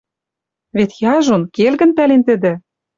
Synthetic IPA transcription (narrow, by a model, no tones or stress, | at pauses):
vet̪jɑʒonkelɣɘ̆npælent̪ɘ̆d̪ɘ̆